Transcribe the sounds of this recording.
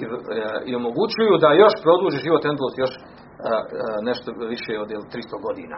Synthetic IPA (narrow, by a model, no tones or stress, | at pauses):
io̞mo̞ɡut͡ɕujud̪ajo̞ʃpɾo̞d̪uːʒiʒiʋot̪end̪losjo̞ʃ | neʃt̪oʋiʃeod̪jelt̪ɾist̪oɡo̞d̪ḭːna̰